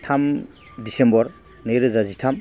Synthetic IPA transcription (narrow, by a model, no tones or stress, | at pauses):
tʰam | disembɔɾ | nejɾɯzazitʰam